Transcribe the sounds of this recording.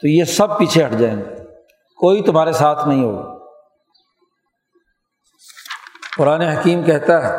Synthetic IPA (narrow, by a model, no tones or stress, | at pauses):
t̪ojesɐb̚piːt͡ʃʰeɦɐʈʰd͡ʒaːẽːŋɡe | koːit̪ʊm̤ɦaːɾesaːt̪ʰnɐɦĩɦo̰ːɡa̰ː | pʊɾaːneɦɐkiːmkɛɦt̪aɦɛ